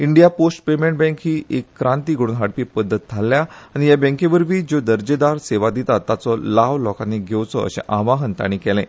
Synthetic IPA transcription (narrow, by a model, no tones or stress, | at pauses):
iɳɖijaposʈpemẽɳʈ̚bɛ̃ŋkɦiːʔekːɾãnt̪iːɡʱəɽuːnɦaɽpiːpəd̪ʱːət̪̚d͡zʱalːjaaɽ̃ijabə̃ŋkeʋəɾʋiːd͡ʑod̪əɾd͡ʑed̪aɾseʋad̪it̪at̪ːat͡sɔlaʋlɔkaneɡʱewt͡sɔə̰ɕḛ̃ʔãʋaɦənt̪a̰ɽ̃ikɛlɛ̃